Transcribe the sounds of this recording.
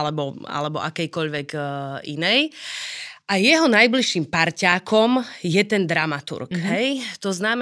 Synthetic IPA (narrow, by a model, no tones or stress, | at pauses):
lɛbɔa̰lɛbɔ̰ʔakɛjkɔʎʋɛɡḭnɛj | ʔajɛɦɔnajbliʃiːmpaɾcaːkɔmjɛt̪ɛnd̪ɾamat̪ṵɾkɦɛjt̪ɔznam